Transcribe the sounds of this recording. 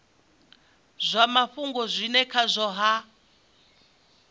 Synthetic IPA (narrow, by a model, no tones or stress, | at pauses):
zʷamaɸuŋɡɔzʷinɛkʰazʷɔɦa